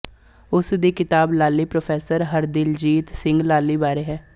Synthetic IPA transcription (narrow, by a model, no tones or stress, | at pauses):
ʊsd̪iːkɪt̪aːblaːlːiːpɾoːpʰɛːsəɾɦəɾd̪ɪld͡ʒiːt̪sɪ̃ŋɡlaːlːiːbaːɾeːɦɛː